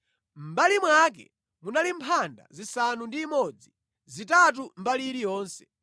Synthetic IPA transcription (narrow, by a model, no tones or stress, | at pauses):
m̩balimwak̬ɛ̰ | munalimpʰanda̰zisanundiːmɔd͡zi | zitat̬um̩baliɾijɔːnsɛ̥